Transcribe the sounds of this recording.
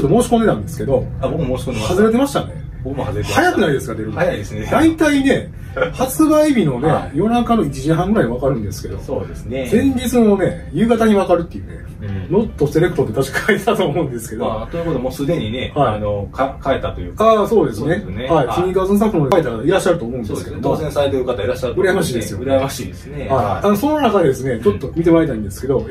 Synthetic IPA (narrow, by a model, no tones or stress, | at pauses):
t͡ɕot̪ːomo̞ːɕi̥kõne̞t̪ãnd̪e̞sɨ̥ke̞d̪o̞abokɯmmoːɕi̥koehazɨɾe̞t̪̬e̞maɕi̥t̪a̰ne̞̰ | bokɯmohazɾehajakɯ̟naid̪e̞sɨɡad̪e̞ɾɯajaid̪esɨned̪ait̪aine̞ | hat͡sɨbaibʲino̞ne̞jo̞nakano̞it͡ɕiʑiɦãŋɡɯ̟ɾaiiβakaɾɯ̟̃nd̪esɨ̥ke̞d̪o̞̰sod̪esɨnezẽ̞ɲ̟d͡ʑit͡sɨno̞ne̞ | jɯ̟ːɡat̪aɲ̟iβakaɾɯ̟t̪ːejɯ̟ne̞̰ | no̞t̪ːo̞se̞ɾe̞kɯ̟̥t̪ot̪et̪aɕi̥kʰaet̪ʰt̪oːmo̞ɯ̟̃nd̪e̞sɨ̥ke̞d̪ot̪ojɯkot̪omoːsɨd̪e̞ɲine̞haianokakaet̪at̪ojɯːaso̞ːd̪e̞sɨnesehaiiɲiɡazɨ̃s̬ãkɯnod̪aet̪ːakat̪aiɾaɕːaɾɯ̟t̪oːmo̞ɯ̟nesɨ̥keomozẽsaɾet̪eɾɯ̟kat̪aiɾaɕːaɾɯt̪ɯ̟ɾajemaɕiːd̪esɨjoɯɾamaɕiːd̪esnehaianoso̞nːonakad̪e̞d̪e̞sɨne̞t͡ɕo̞t̪ːo̞mʲit̪e̞βaet̪aĩnd̪e̞sɨ̥ke̞d̪o̞